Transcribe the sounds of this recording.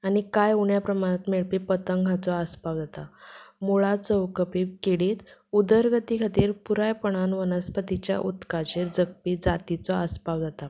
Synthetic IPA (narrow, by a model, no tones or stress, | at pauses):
añikajuɳjapɾəmanət̪meɭpipət̪əŋɡʱat͡sɔaspawd͡zat̪amuɭat͡səwkəpikeɽiːt̪ud̪əɾɡət̪ikʰat̪iːɾpuɾajpəɳ̃anʋənəspət̪it͡ɕja̰ʔut̪kat͡ɕeɾd͡zəɡ̚piːd͡zat̪it͡sɔaspawd͡zat̪a